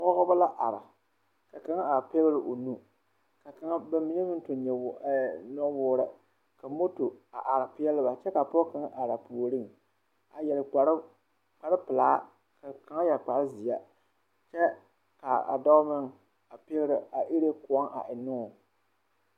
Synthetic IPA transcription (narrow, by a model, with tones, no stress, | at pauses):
ŋʷɔ˦ɣɔ˦ba˦la˦ʔa˨ɾa̰˨ | ka˨ka˨ŋa˦a˨pɛ˦ɣɨ˦ɾɨ˨ʔo˨nu˦ | ka˨ka˨ŋa˦bɛ˦m˦mɪ˨ɲ˦ɛ˦mɨ˦n˦tʊ˨ɲɛ˨˦nɔ˦wʊː˦ɾa˨ | ka˨mo˦to˨a˨ʔa˨ɾa˨pɪ˦ɛ˦lɨ˦ba˨t͡ʃɛ˦ka˨pɔ˦ka˨ŋa˦ʔa˨ɾa˨pu˨o˨ɾɨ˦˨ŋ | a˨jɛ˨l | k͡pa˨ɾɨ˦pɨ˨laː˦ | ka˨ka˨˦ŋa˦jɛ˨k͡pa˨ɾɨ˦zɪ˨ja˦ | t͡ʃɛ˦ | ka˨a̰˨dɔ˦mɨ˦ŋ˨ | a˨pe˦ɣɪ˦ɾɨ˨a˨ʔi˦ɾe˦kʊ˨ɔ˦ŋʔa̰˨ʔɪ˨nʊ˦ŋ˨